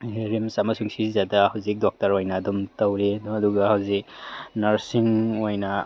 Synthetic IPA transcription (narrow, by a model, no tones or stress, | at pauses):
heɾimsamasuŋsizadahawzik̚dɔk̚taɾɔjnadumtawɾedɔɐduɡahawziknaɾsiŋojna